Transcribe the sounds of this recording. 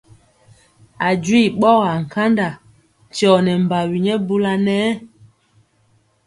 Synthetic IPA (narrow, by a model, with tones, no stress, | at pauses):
a˨d͡ʒi˦˨ɓɔ˦˨ɣa˨ŋ̩˨ka˦nda˨ | t͡ʃɔ˨nɛ˨m˨ba˨wi˨ɲɛ˦bu˦la˦nɛː˦